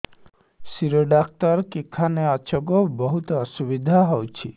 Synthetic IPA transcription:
siɾoɖak̚t̪ɔɾkikʰaneat͡ʃʰɔɡɔbɔɦut̪ɔːsubid̪ʱaɦɔwt͡ʃʰi

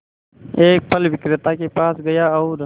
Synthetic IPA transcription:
eːk̚pʰəlʋɪkɾɪt̪akepaːsɡɐjaɔʊɾ

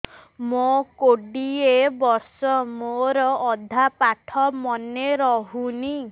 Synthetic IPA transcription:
mokoɖiebɔɾsɔmoɾɔːd̪ʱapaʈʰɔmɔneɾɔɦuni

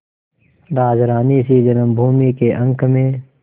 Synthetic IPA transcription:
ɾaːd͡ʒɾaːnisid͡ʒɐnəmbʱuːmikeʔə̃ŋkʰmẽː

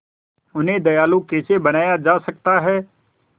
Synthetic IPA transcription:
ʊnɦẽd̪ɐjaːlõkeːt͡ʃebɐnaːjad͡ʒaːsɐk̚t̪aɦɛː

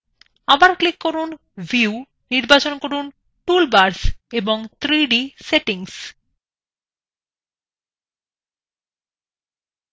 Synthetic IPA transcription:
abaɾklikːoɾun | vʱiu | niɾbat͡ɕonkoɾun | ʈulbaɾseboŋt̪ʰɾiɖiseʈiŋs

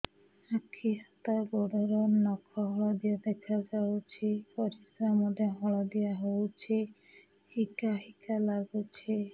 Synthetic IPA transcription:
akʰiɦat̪abɔɖɔɾɔnɔkʰɔɦɔɭɔd̪ijad̪ekʰad͡ʒawt͡ʃʰepɔɾisɾamɔd̪aɦɔɭɔd̪ijaɦowt͡ʃʰe | hikaɦikalaɡut͡ʃʰe

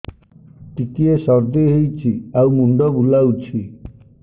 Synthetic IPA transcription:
t̪ikiesɔɾd̪eɦejt͡ʃʰiawmuɳɖɔbulawt͡ʃʰi

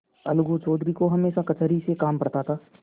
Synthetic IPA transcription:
ɐlʊɡot͡ʃɔːd̪ɾikoɦɐmeːʃakɐt͡ʃəɾisekaːmpɐɾt̪aːt̪ʰaː

